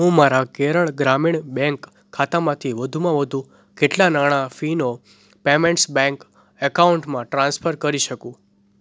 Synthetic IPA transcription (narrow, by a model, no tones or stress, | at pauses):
ɦũmaɾakeɾəɭɡɾamiɳbɛ̃ŋkʰː | at̪amãt̪ʰiʋəd̪ʱumãʋəd̪ʱũ | keʈlanaɽ̃afino | pemeɳʈsbɛ̃ŋk | əkauɳʈmãʈɾãnspʰəɾkəɾiʃəkũ